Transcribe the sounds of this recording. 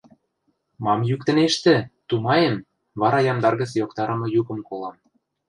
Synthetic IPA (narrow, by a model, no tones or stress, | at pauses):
mɑmjyk̚t̪ə̆neʃt̪ĕt̪umɑjem | βɑɾɑjɑmd̪ɑrɣə̆t͡sjokt̪ɑɾɤ̆mɤ̆jukɤ̆mkolɑm